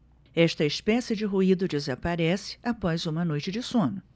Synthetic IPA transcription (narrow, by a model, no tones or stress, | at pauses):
ɛʃt̪ɐispɛsɪd͡ʒɪɦuid̪ʊd͡ʒɪzapaɾɛsɪ̥apɔzũmɐnojt͡ʃɪd͡ʒɪsõnʊ